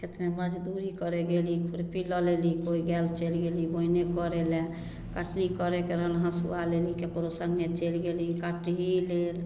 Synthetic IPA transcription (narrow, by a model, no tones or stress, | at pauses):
kʰet̪meməd͡ʒd̪uɾikɔɾeɡelikʰuɾpilɔlelikoiɡɛlt͡ʃelɡeliboinekɔɾɛlɛ | kaʈnikɔɾekeɾəɦəlɦãsṵalelikekɾosəŋɡʱet͡ʃelɡelikaʈɦilel